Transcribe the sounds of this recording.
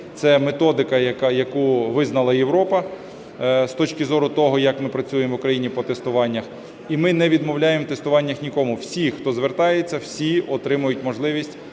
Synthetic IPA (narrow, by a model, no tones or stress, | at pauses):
t̪sɛmet̪ɔd̪ɪkɐjɐkjɐkuʋɪznɐlˠɐjeʋɾɔpɐ | st̪ɔt͡ʃkʲɪzɔɾʊt̪ɔɦɔjɐkmɪpɾɐt͡sʲujemʋʊkɾɐjinʲipɔt̪est̪ʊʋɑnʲːɐx | imɪnɛʋʲid̪mɔwlʲajemwt̪est̪ʊʋɑnʲːɐxnʲikɔmʊwsʲixt̪ɔzʋert̪ɑjet͡sʲːɐwsʲiɔt̪ɾɪmʊjʊtʲmɔʒlˠɪʋʲisʲtʲ